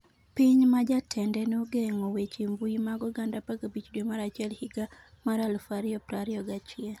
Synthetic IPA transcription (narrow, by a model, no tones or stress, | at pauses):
piɲmad͡ʒatʰɛndɛnoɡeŋɔwet͡ʃimbuimaɡɔɡandapaɡabit͡ʃdwemaɾat͡ʃɛlhiɡa | maɾalfaɾiɔpɾaɾiɔɡat͡ʃɪɛl